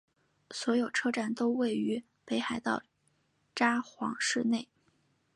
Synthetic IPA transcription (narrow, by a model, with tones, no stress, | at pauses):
swɔ˧˥jo˨˩ʊʈ͡ʂʰɤ˥ʈ͡ʂa˥˩nt̪o˥ʊwe˥˩ɪy˧˥ | pe˧˥ɪxa˧˥ɪt̪ɑ˥˩ʊ | ʈ͡ʂa˥xwɑ̰˧˥ŋʂɻ̩˥˧ne˥˩ɪ